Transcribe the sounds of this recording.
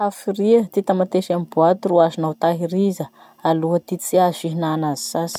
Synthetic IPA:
afiriət̪it̪amat̪eʃamibuat̪uruazunawt̪aɦiɾizə | aluɦət̪it͡siaziɦinanazi̥sas

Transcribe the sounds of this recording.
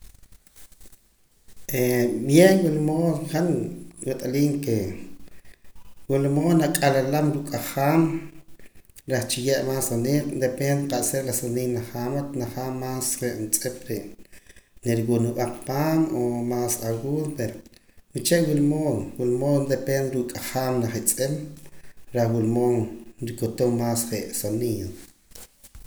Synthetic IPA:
ʔeɓjenwilmoːχanwiqʼaliːŋke | wilmoːnakʼalalamɾukʼaχaːm | ɾeχt͡ʃijeʔmaːsaniːlnd̪epend̪eqaʔseɾlasaniːnaχaːmat̪naχamːaːsχeʔnt͡sʼep̚ɾeʔ | neɾiwunuɓaqpaːnomaːsawuːðpeɾnit͡ʃeʔwulmoːnwulmoːnd̪epend̪ɾuʔkʼaχaːmnaχit͡sʼem | ɾaχwulmoːnɾikot̪omːaːsχeʔsaniːn

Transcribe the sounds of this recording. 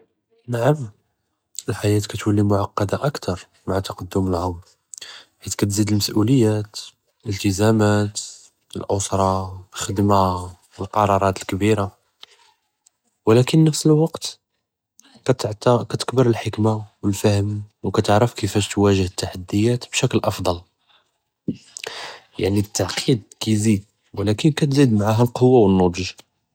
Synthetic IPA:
naʕəm | əlħajæt̪kæt̪wəlːimʊʕɑqːɑd̪aʔəkt̪ɑɾˤ | maʕat̪ɑqɑd̪ːʊməlʕʊm | ħit̪kæt̪zid̪əlməsʔuləjːæt̪ | əlt̪əzæmæt̪ | ə̰lʔʊsˤɾˤɑxəd̪ma | əlqɑɾˤɑɾˤɑt̪əlkbiɾa | wlækənːəfsəlwɑqt̪ | t̪ʕt̪kæt̪ə̥kbəɾəlħəkmawəlfəhəmwkæt̪əʕɾəfkəfæʃt̪wæʒəhət̪ːaħad̪ːəjæt̪bʃæklʔɑfd̪ˤɑl | ja̰ʕnit̪ːaʕqʰid̪̚kæjzid̪ | wəlækənkæt̪zid̪maʕaɦælqowːawənːod̪ʒ

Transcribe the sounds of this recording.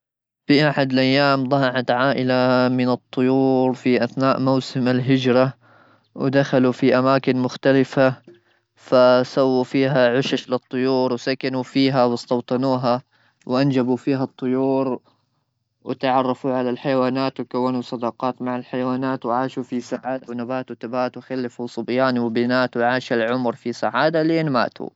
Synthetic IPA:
fiʔaħad̪alʔajːaːmd̪ˤɑhɑʕat̪ʕaːʔɪlamɪnɨt̪ˤːʊjuːɾfiʔaθnaːʔmawsɪmalɦɪd͡ʒɾˤa | wɪd̪axalufiʔamaːkɪnmʊxt̪alɪfa | fasawːufiːɦaʕʊʃaʃlɪt̪ˤːʊjuːɾwsakanufiːɦawɪst̪ɑwt̪ˤɑnuːɦa | wʔand͡ʒabufiːɦat̪ˤːʊjuːɾ | wɪ̰t̪ʕɑrˤːɑfuʕalalħajawaːnaːt̪wɪkawːanusˤɑd̪ɑqɑːt̪maʕalħajawaːnaːt̪wɪʕaːʃufisaʕaːd̪awnabaːt̪wɪt̪abaːt̪wɪxalːɪfusˤʊbjaːnwɪbɪnaːt̪wɪʕaːʃalʕʊmɾfisaʕaːd̪aleːnma̰ːt̪ṵ

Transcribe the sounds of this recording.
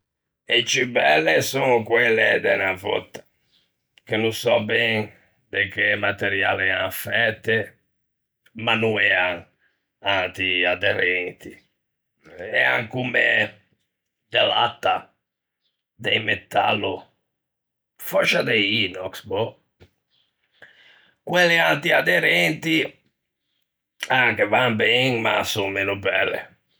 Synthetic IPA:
et͡ʃibɛlːesonkwɛlːɛd̪ɛnavɔ̰t̪ːḁ | kenusɔbɛŋ | pekːemat̪eɾjaːlɛɛanfɛt̪ːe | manuɛaŋ | ant̪iad̪ɛɾent̪i | ɛa̰ŋkume | d̪ɛla̰t̪ːa | d̪ɛjmɛt̪ːa̰lːu | fɔt͡ʃːad̪ɛjiːnɔksbɔ | kwɛlːiant̪iad̪ɛɾɛnt̪i | aŋkevanbɛŋma̰suŋmeːnubɛlːḛ

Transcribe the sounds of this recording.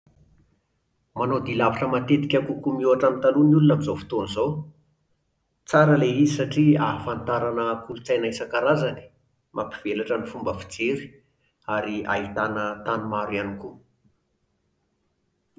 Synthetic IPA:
manod̪ilavaʈ͡ʂəmat̪et̪i̥kʲakukumiuaʈ͡ʂamit̪alunulunamizofi̥t̪onizo | t͡saɾəleizisaʈ͡ʂiafant̪aɾanəkulut͡sajnaisakaɾazani̥ | mʔapiv̥elaʈ͡ʂənifumbəfi̥d͡zeɾi̥ | aɾia̰it̪anət̪anumaɾwaniku

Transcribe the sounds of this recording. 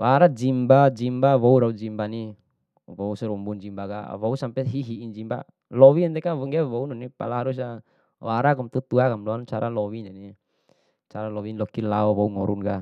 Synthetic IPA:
waɾad͡ʒimbad͡ʒimbawɔuɾaud͡ʒimbani | wɔusɛɾumbund͡ʒimbaka̰wɔusampɛɦiɦiːnd͡ʒimba̰ | lɔwiɛnt̪ɛkawɔŋɡɛwɔunɔnipa̰laɦaɾus̬a | waɾakɔmt̪ut̪uakamlɔant͡ʃaɾʔalɔwinɛni | t͡ʃaɾalɔwinlɔkila̰ɔwɔuŋɔɾunka

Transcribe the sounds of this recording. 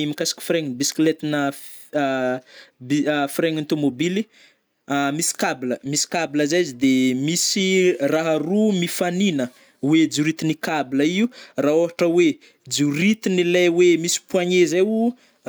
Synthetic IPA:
imikasḁki̥fiɾeɲinbisi̥klet̪inə | bifiɾeɲant̪omobili | misi̥kabiləmisi̥kabiləzazid̪emisiraɦarumifaninə | wed͡zuɾit̪inikabiləiuraoɦaʈ͡ʂəwe | d͡zuɾit̪inilejwemisi̥puaɲezewu

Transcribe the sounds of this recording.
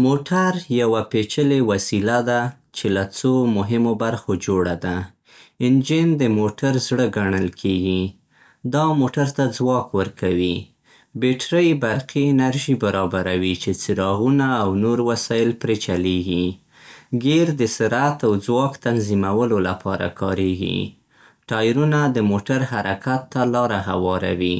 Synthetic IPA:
moʈaɾjawapet͡ʃəlewasilad̪a | t͡ʃelat͡somʊɦɪmobaɾxod͡ʒoɽad̪a | ɪnd͡ʒɪnd̪əmoʈaɾzɽəɡaɳəlkʰeɡi | d̪ɑmoʈaɾt̪ad͡zwɑkwəɾkʰawi | beʈɾəjbaɾqʰinaɾʒibaɾɑbaɾawit͡ʃet͡sɪɾɑɣunaːwnoɾwasɑjɪlpɾet͡ʃaleɡi | ɡeɾd̪əsɪɾat̪awd͡zwɑkt̪anzimawəlolapʰɑɾa̰kʰɑɾeɡḭ | ʈɑjɾunad̪əmoʈaɾhaɾakʰat̪ːalɑɾaɦa̰wɑɾa̰wi

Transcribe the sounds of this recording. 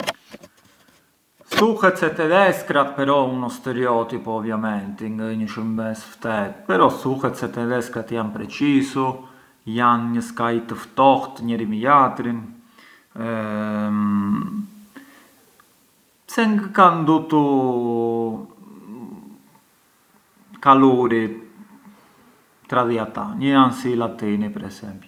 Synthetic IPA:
suhɛt̪sɛt̪ɛðɛskɾat̪̚pɛɾɔunɔst̪ɛɾiɔt̪ipɔɔvjamɛnt̪iŋɡaɲəʃumbɛsft̪ɛt̪̚pɛɾɔsuhɛt̪sɛt̪ɛðɛskɾat̪janpɾɛt͡ʃisu | janɲəskait̪əft̪ɔht̪ɲɛɾimijat̪ɾin | sɛŋɡəkand̪ut̪u | kaluɾi | t̪ɾaðiat̪anəjansilat̪inipɛɾɛsɛmp

